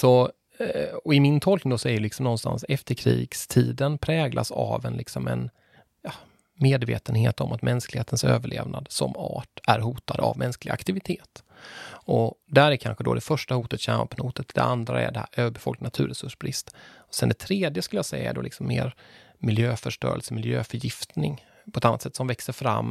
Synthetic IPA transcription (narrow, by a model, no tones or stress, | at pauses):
sɔ | ɔɪmɪnt̪ʰɔlknɪŋd̪ɔsɔɛɾlɪksɔmnɔnst̪a̰nsɛft̪əɾkʰɾiːɡst̪ʰiːd̪ənpʰɾɛːɡlʔasavɛnlɪksɔmɛn | jɑ | meːd̪vḛːt̪ənheːt̪ɔmʔat̪mʔɛnsklɪheːt̪ənsøːvəɭḛːvnad̪sɔmɑːʈæɾɦuːt̪ad̪a̰vmʔɛnsklɪɡakt̪ɪvɪt̪ʰeːt̪ | ɔd̪æɾæɾkʰanɧəd̪ɔd̪ɛfœʂʈahuːt̪ət̪ɕɛmapnhuːt̪ət̪d̪ɛ̰and̪ɾa̰æɖɛæøːbɛfɔlk̪nat̪ʰʉ̟ːɾɛsɵʂbɾɪst̪ɔ̥sɛnd̪ɛt̪ʰɾeːd̪jəskɵləjasɛjːaɛɖɔlɪksɔmːeːɾ | mɪljøːfœʂʈœ̰ːɾə̰lsəmɪljøːfœjɪft̪nɪŋ | pʰɔɛt̪anːat̪sɛt̪ːsɔmvɛksəɾfɾa̰mː